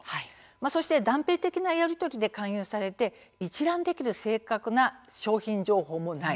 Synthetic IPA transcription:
hai | maso̞ɕi̥t̪e̞d̪ãmpe̞ːt̪e̞kʲinajaɾʲit̪o̞ɾʲid̪e̞kãɰ̃jɯːsaɾe̞t̪e̞ | it͡ɕiɾãnd̪e̞kʲiɾɯ̟se̞ːkakɯ̟naɕo̞ːçĩɲd͡ʑo̞ːɦo̞ːmo̞nai

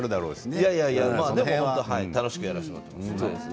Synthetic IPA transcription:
ɾɯ̟d̪aɾoːesjajajamaːd̪eohont̪oɦaḭt̪ano̞ɕi̥kɯ̟jaɾaɕima̰t̪ːemasoːd̪es

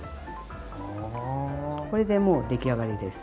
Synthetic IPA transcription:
ko̞ɾe̞d̪e̞mo̞ːd̪e̞kʲiaɡaɾʲid̪e̞sɨ̥

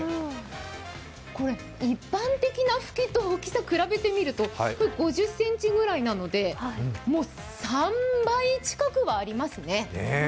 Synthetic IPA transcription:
ko̞ɾe̞ | ipːãnt̪e̞kʲinaɸɯ̥kʲit̪oːkʲi̥sakɯ̟ɾabe̞t̪e̞mʲiɾɯ̟t̪o̞koɡo̞ʑɨsːẽ̞ɲ̟t͡ɕiɡɯ̟ɾainano̞d̪e̞mo̞ː | sãmbait͡ɕi̥kakɯ̟βaːɾʲimasɨne̞ne

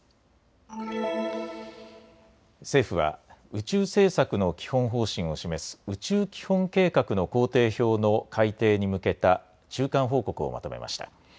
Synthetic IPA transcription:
se̞ːɸɯ̟βa̰ɯ̟t͡ɕɨːse̞ːsakɯ̟no̞kʲi̥hõ̞ɰ̃ɦo̞ːɕĩɰ̃o̞ɕime̞sɨ̥ɯ̟t͡ɕɨːkʲi̥hõ̞ŋke̞ːkakɯ̟no̞ko̞ːt̪e̞ːço̞ːno̞kʰait̪e̞ːɲ̟imɯ̟ke̞t̪a | t͡ɕɨːkãɰ̃ɦo̞ːko̞kɯ̟o̰mʔa̰t̪o̞me̞̰mʔa̰ɕi̥t̪a̰

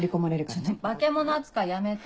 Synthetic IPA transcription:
ɾʲiko̞maɾeɾɯk̪bake̞mo̞noat͡sɨ̥kajame̞t̪

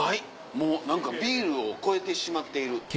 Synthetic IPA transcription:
hai | mo̞ːnãŋkabʲiːɾɯ̟o̞ko̞e̞t̪e̞ɕimat̪ːe̞iɾɯ̟k

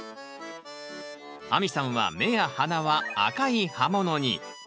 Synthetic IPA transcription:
amʲisãɰ̃βa̰me̞jahanaβaa̰kaihamo̞noɲ̟ḭ

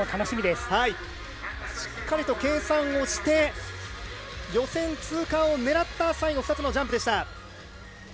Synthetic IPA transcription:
t̪ʰano̞ɕimʲid̪e̞shai | ɕi̥kːaɾʲit̪o̞kẽ̞ːsãɰ̃o̞ɕi̥t̪e̞ | jo̞sẽ̞nt͡sɨːkãɰ̃o̞ne̞ɾat̪ːasaiɡoɸɯ̟̥t̪at͡sɨno̞d͡ʑãmpɯd̪e̞ɕi̥t̪a

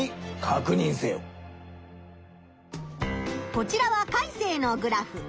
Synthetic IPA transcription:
ikʰakɯ̟ɲ̟ĩɰ̃seːo | ko̞t͡ɕiɾaβakaise̞ːno̞ɡɯ̟ɾaɸɯ̟

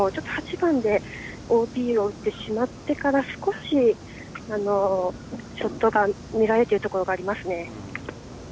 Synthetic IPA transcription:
ot͡ɕot̪ːohat͡ɕibãnd̪e̞ | o̞ːpʲiːo̞ɯ̟t̪ːe̞ɕimat̪ːe̞kaɾasɨ̥ko̞ɕi | ano̞ | ɕo̞t̪ːo̞ɡa | mʲiɡaɾet̪ːeiɯ̟t̪o̞ko̞ɾo̞ɡaːɾʲimasɨne̞

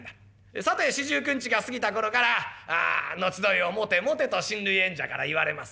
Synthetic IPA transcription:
d̪a | sat̪e̞ɕiʑɨːkɯ̟̃ɲ̟t͡ɕiɡasɨɡʲit̪ako̞ɾo̞kaɾaa̰ːno̞t͡ɕid̪o̞io̞mo̞t̪e̞mo̞t̪e̞t̪o̞ɕĩnɾɯ̟iẽ̞ɲ̟d͡ʑakaɾa̰iβaɾe̞̰masɨ̥

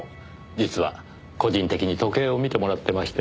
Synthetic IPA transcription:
d͡ʑit͡sɨβa̰ | ko̞ʑĩnt̪e̞kʲiɲ̟it̪o̞ke̞ːo̞mʲit̪e̞mo̞ɾat̪ːe̞maɕi̥t̪e

